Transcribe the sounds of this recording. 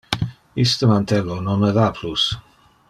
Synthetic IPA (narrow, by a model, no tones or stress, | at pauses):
ist̪əmant̪ʰɛlononɛɾapʰlus